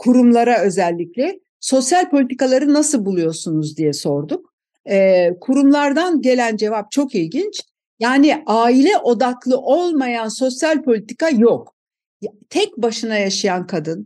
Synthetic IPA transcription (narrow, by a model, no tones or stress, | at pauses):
kʰuɾumlˠaɾaø̞zɛlʲːiclʲɛ | so̞sjalʲpolʲit̪ʰikalˠaɾɯnasɯlˠbulˠujo̞sunuzd̪ijɛso̞ɾd̪uk̚ | ɛkʰuɾumlˠaɾd̪anɟe̞lʲænd͡ʒe̞vap̚t͡ʃʰo̞kilʲɟint͡ʃ | jaːnɪaːilʲɛʔo̞d̪aklˠɯʔo̞lˠmajanso̞sjalʲpʰo̞lʲit̪ʰikajok | t̪ʰɛc̚baʃɯnajaʃajankʰad̪ɯn